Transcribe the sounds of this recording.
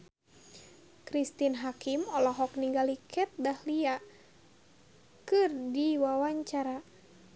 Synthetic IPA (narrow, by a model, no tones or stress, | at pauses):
kɾist̪inɦakimɔlɔɦɔk̚niŋɡalikʰɛt̪̚dahlia | kɨrdiwawaɲt͡ʃaɾa